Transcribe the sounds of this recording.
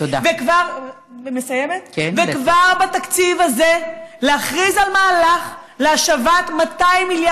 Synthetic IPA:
t̪od̪avekvaʁ | vemesajemet̪kvekvaʁbat̪akt͡sivaze̞leaχʁizalmaːlaχ | leaʃavat̪mat̪ajimilja

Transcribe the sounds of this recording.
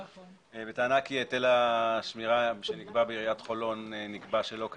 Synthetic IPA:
vet̪aːnakietelaʃmiʁaʃeniɡbabeiʁijatχo̞lo̞nenikbaʃelo̞k

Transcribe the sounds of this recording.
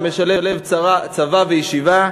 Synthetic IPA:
meʃale̞le̞vat͡savavejiʃiva

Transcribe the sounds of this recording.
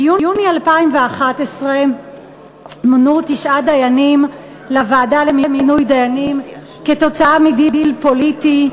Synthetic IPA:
juunialpaimveaχatesʁe | monut̪iʃʔad̪ajanim | lavaːdalemiminujd̪ajanim | keto̞t͡saamididilpo̞liti

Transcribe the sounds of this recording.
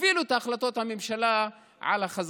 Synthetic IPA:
vilut̪aːχlat̪o̞t̪hamemʃala | ʕa̰laχaz

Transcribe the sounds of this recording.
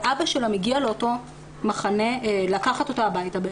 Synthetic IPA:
ʔabaʃelamiɡialeoto̞ | maχane̞lakaχatotaabajtabe

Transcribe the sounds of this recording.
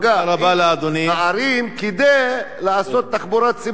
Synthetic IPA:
ɡaɾabalaad̪oniaaɾimkid̪aj | laaso̞t̪ːaχbuɾat̪t͡si

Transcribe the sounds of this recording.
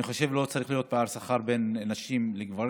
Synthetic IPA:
iχo̞ʃe̞vlo̞t͡saʁiχlijot̪̚peaʁsaχaʁbe̞nanaʃimleɡvaʁ

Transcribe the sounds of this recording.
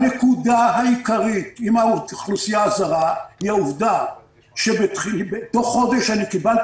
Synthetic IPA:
nekud̪aɦaikaʁit̪imauχlusijaazaʁahiauvd̪a | ʃebetχibet̪o̞χːo̞d̪eʃanikibal

